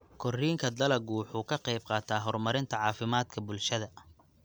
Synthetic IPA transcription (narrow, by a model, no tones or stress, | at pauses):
kʰɔriːŋkʰɐd̪ɐlɐɡuːħuːkʰɐqɛjb̚qɑːt̪ʰaːɦɔrmɐɾɪnt̪ʰɐʕɑːfɪmaːd̪kʰɐbʊlʃɐðɐ